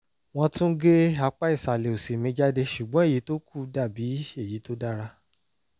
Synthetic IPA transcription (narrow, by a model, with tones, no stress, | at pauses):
w̃ɔ̃˧tũ˦ɡe˦a˧k͡pa˦i˦˨sa˨le˨o˨si˨mĩ˧˦d͡ʒa˦de˦ʃu˨ɡ͡bɔ̃˦e˦˨ji˨˦to˦ku˦˨da˦˨bi˨˦e˦˨ji˨˦to˦da˦ɾa˧